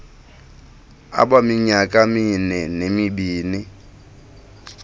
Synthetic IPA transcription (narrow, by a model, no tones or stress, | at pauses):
a̰ɓamiɲakʼaminɛnemibiːni